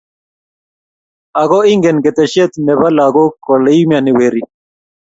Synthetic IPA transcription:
a˨ɡɔ˦i˦ŋɡɛ˨nkɛ˨t̪ɛ˨ʃɛ˦t̪nɛ˨βa˦la˨ɡɔ˦kɔ˨lɛ˦i˦m˦a˨nɪ˨we˨ɾi˦

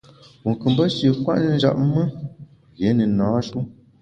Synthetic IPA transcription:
wu˨ŋ˨kɨ˨mbə˦ʃi˨kwa̰˦ʔn˦n̩˦d͡ʒa̰˨ʔ̚mə˦ | ɣe˨˦nə˨nãː˨˦ʃu˦

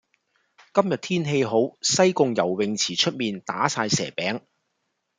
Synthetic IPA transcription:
kɐ˥mjɐ˨t̪̚ʰiː˥nɦe˧jɦo˨˥wsɐ˥jkʊ˧ŋjɐ˨˩wwɪ˨ŋt͡sʰiː˨˩t͡ʃʰɵ˥t̚miː˨nt̪aː˨˥saː˧jsɛ̰ː˨˩pɛː˨˥ŋ

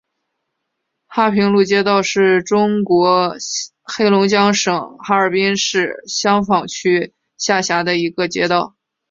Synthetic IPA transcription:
xa˥˩pʰi˧˥ŋlu˥˩t͡ɕjɛ˥t̪ɑ˥˧ʊʂɻ̩˥˩ʈ͡ʂʊ˥ŋkwɔ˧˥ | xe˥ɪlʊ˧˥ŋt͡ɕjɑ˥ŋʂɤ˨˩˦ŋxa˥ə˞˨˩pi˥nʂɻ̩˥˧ɕjɑ˥ŋfɑ˨˩ŋt͡ɕʰy˥ | ɕja˥˩ɕja˧˥d̪ə˧i˧˥ɡə˧t͡ɕjɛ̰˥t̪ɑ˥˩ʊ

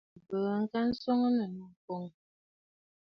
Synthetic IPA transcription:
bə˨˦ŋ̩˦ka˦n̩˦sɔ˦ŋə˦mə˨nu˦˨ko˦ŋ

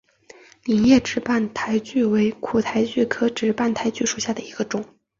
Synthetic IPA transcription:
li˨˩njɛ˥˩ʈ͡ʂɻ̩˧˥pa˥˩nt̪ʰa˧˥ɪt͡ɕy˥˩we˧˥ɪkʰu˨˩t̪ʰa˧˥ɪt͡ɕy˥˩kʰɤ˥ʈ͡ʂɻ̩˧˥pa˥˩nt̪ʰa˧˥ɪt͡ɕy˥˩ʂu˨˩ɕja˥˩d̪ə˩i˧˥ɡ̥ə˧ʈ͡ʂʊ˨˩˦ŋ

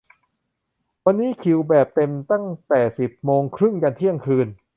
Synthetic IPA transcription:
wa˧nːiː˦˥kʰi˩˦wbɛː˨˩p̚t̪e˧mt̪a˥˩ŋt̪ɛː˨˩si˨˩p̚moː˧ŋkʰɾɯ˥˩ŋka˧nt̪ʰi˥˩əŋkʰɯː˧n

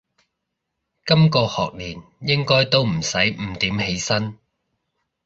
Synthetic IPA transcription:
kɐ˥mkɔː˧hɔ̰ː˨k̚liː˨˩n | jɪ˥ŋkɔː˥jt̪o˥wm̩˨˩sɐ˨˥jm̩˨˩t̪iː˨˥mhe˨˥jsɐ˥n

